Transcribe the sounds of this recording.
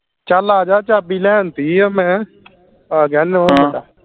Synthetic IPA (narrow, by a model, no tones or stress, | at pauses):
t͡ʃalaːd͡ʒaːt͡ʃabilɛːnt̪iːmɛ̃ː | ɡɛnõa